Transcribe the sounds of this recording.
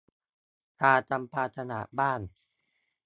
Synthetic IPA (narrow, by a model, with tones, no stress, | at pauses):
t̪ʰaː˧t͡ɕa˧mpʰaː˧t̪ʰa˧na̰˨˩˦baː˥˩n